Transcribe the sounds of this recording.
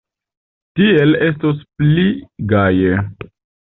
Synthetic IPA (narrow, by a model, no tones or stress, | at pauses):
tiele̞stospliɡaje